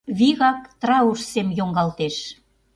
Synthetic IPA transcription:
βiɣɑk̚t̪rɑuʃsemjoŋɡɑlt̪eʃ

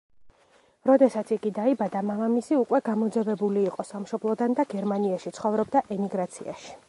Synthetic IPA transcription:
ɾɔd̪ɛsat̪sʰiɡid̪aibad̪amamamisiukʼwɛɡamɔd̪zɛvɛbuliːqʼɔsamʃɔblˠɔd̪and̪aɡɛɾmaniaʃit̪sʰχɔvɾɔbd̪aʔɛmiɡɾat̪sʰia̰ʃi̥

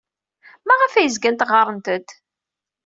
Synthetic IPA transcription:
mæʁæfæjəzɡænt̪ʁɑɾˤənt̪ət̪

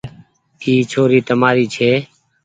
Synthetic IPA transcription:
iːt͡ʃʰoːɾiːt̪əmaːɾiːt͡ʃʰeː

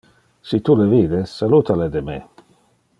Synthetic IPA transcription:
sit̪ulevid̪esːalut̪aled̪eme

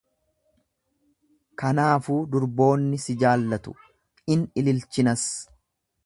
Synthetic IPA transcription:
kɐnaːfuːd̪ʊɾbo̞ːnːɪsɪd͡ʒaːlːɐt̪ʊ̥̰ | ɪnɪlɪlt͡ʃɪnɐs

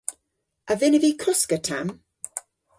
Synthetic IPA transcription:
əvɪnəvikʰʊskətʰam

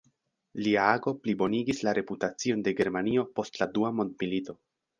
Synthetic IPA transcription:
liaaɡo̞plibo̞niɡislaɾʔe̞putat͡sio̞nde̞ɡe̞ɾmanio̞po̞stladuamo̞ndmilito̞

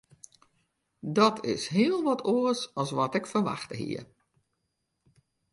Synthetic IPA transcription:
dɔtʰɪ̰sɦɪəlˠʋɔtʰoəsɔlˠsʋɔtɪkfərʋa̰xtəɦḭə

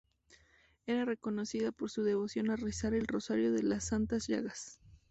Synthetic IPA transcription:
e̞ɾare̞ko̞no̞siðapo̞ɾsuðe̞βo̞sjo̞narisaɾe̞lro̞saɾjo̞ðe̞lasːant̪azʝa̰ɣas

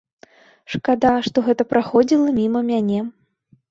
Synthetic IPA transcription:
ʂkad̪aʂt̪ɔɣɛt̪ɐpɾaxɔd͡zʲilˠɐmʲimɐmʲanʲɛ

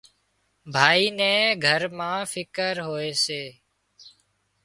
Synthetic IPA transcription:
bʱaːiːnɛ̃ːɡʱəɾmãːfʰɪkəɾɦoːeːseː

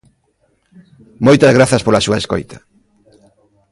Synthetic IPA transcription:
mojt̪ɐzɣɾaθɐspolasuɐesko̰jt̪ɐ̥

